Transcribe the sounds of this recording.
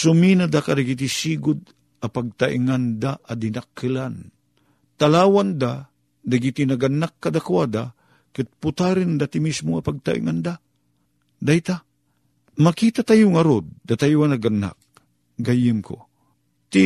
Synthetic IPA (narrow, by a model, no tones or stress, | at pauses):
sʊminad̪akad̪aɡit̪̬isiːɡʊd̪ | apaɡ̚t̪aʔḭŋand̪aʔad̪inakːɨlan | t̪alaːwand̪a | d̪aɡit̪inaɡanːakːad̪akwad̪a | kɨt̪̚pʊt̪aɾɨnd̪at̪imismoapaɡ̚t̪a̰ʔḭŋand̪a | d̪ait̪a | makit̪at̪ajʊŋaɾod̪̚ːat̪ajuanaɡanːa̰k̚ | ɡajɨmko̰ | t̪i